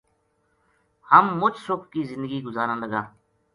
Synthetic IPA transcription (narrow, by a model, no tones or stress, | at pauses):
həmːʊt͡ʃʰsʊkʰkiːzɪ̃nd̪əɡiːɡʊzaːɾãːləɡaː